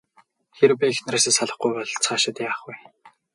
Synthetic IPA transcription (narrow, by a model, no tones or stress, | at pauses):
xeɾpʲixnraːseːsaɮə̆χɡujpɔɮt͡sʰχaːʃɪ̆t̪jaːχuj